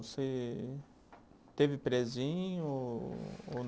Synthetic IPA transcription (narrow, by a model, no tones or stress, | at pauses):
ose | t̪evɪpɾezĩɲʊo | on